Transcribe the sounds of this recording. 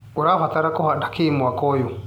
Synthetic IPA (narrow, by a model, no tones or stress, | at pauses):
uɾafat̪aɾakɔhadakʰiːmwakɔjɔ